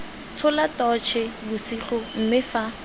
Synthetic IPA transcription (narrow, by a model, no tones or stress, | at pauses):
t͡sʰʊlatɔt͡ʃʰɛbʊsiχʊm̩mɪfa